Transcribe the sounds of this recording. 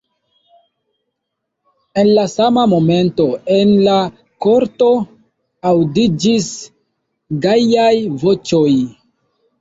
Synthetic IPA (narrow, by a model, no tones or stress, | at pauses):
e̞nlasamamo̞me̞nto̞e̞nla | ko̞ɾto̞ | awdid͡ʒis | ɡajajvo̞t͡ʃo̞j